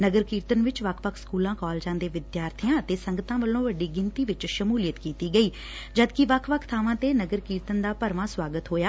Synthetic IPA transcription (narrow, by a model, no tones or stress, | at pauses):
nəɡəɾkiːɾt̪ənʋɪt͡ʃʋəkʰʋəkʰskuːlãːkɔːld͡ʒãːnd̪eːʋɪd̪jaːɾt̪ʰijãːət̪eːsəŋɡət̪ãːʋəlːõːʋəɖiːɡɪnt̪iːʋɪt͡ʃʃəmuːlɪjət̪kiːt̪iːɡəiː | d͡ʒəd̪kɪʋəkʰʋəkʰt̪ʰaːʋãːt̪eːnəɡəɾkiːɾt̪ənd̪aːpəɾʋãːswaːɡət̪ɦoːjaː